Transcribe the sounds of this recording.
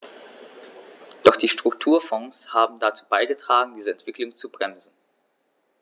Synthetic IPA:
d̥ɔχd̥iːʃtʁ̥ʊktʰuːɐfɔ̃ŋshaːbm̩dat͡suːbaɪɡətʁ̥aːɡŋ̩diːzəɛntv̥ɪklʊŋt͡subʁɛmzn̩

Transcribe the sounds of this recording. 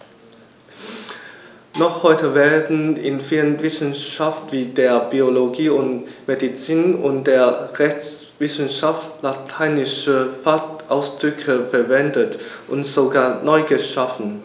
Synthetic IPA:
nɔχhɔʏtʰəveːɐdn̩ɪ̰nfiːlənvɪsn̩ʃaftv̥iːdeːɐb̥ioloɡiːʊntmedit͡siːnʊ̰ntd̥eːɐʁɛçt͡s | v̥ɪsn̩ʃaftlatʰaɪnɪʃəfatʔaʊsd̥ʁʏkʰəfɛɐvɛndətʔʊntz̥oɡaːɐnɔʏɡəʃafn̩

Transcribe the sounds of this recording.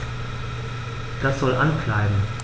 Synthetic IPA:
d̥asz̥ɔlʔankʰl̥aɪbm̩

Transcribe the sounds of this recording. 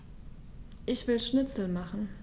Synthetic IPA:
ʔɪçv̥ɪlʃnɪt͡sl̩maχn̩

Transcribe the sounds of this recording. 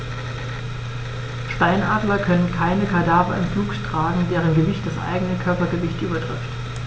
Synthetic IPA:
ʃtaɪnʔaːdlɐkʰœnənkʰaɪnəkʰadaːvɐɪmfluːkʃtʁ̥aːɡŋ̩deːʁənɡəvɪçtd̥asʔa̰ɪɡənəkʰœɐpɐɡəvɪçtʔyːbɐdʁ̥ɪ̰ft

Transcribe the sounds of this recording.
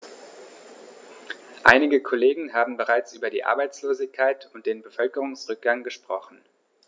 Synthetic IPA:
ʔa̰ɪnɪɡəkʰoleːɡŋ̩ɦaːbm̩bəʁaɪt͡sʔyːbɐdḭːʔa̰ɐbaɪt͡sloːzɪçkʰːaɪtʰʊnt̚d̥eːnbəfœlkəʁ̞ʊŋsʁʏk̚ɡ̥aŋɡəʃpʁ̥ɔχn̩

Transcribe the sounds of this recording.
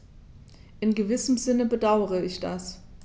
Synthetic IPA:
ʔɪnɡəvɪsəm̩zɪnəbədaʊəʁəɪçd̥as

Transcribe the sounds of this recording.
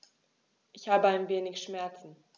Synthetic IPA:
ʔɪçhaːbəaɪnveːnɪçʃmɛɐt͡sn̩

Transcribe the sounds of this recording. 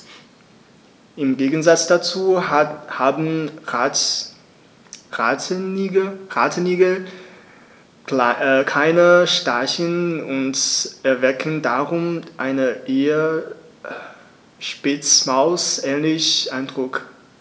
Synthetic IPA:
ʔɪmɡeːɡn̩zat͡sd̥at͡suːhaːbn̩ | ʁaːtʰəniːɡl̩ | kʰaɪnəʃtaçənʊntɛɐvɛkʰn̩daʁʊmʔaɪnəʔeːə | ʃpɪt͡smaʊsʔɛːnlɪçʔaɪndʁʊk

